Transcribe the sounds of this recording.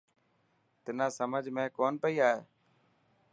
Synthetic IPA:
t̪ɪnãːsəməd͡ʒʱmẽːkoːnpəiːaːɦeː

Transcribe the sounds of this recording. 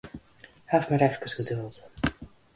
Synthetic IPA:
hafmaɾɛfkəsɡədɵlˠt

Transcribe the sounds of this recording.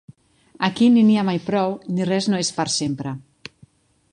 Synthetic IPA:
akininiamajpɾɔwnirɛznoesfaɾsempɾə

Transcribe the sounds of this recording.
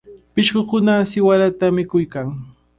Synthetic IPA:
pɪʃkokʊnasɪwaɾat̪amɪkʊjkaŋ

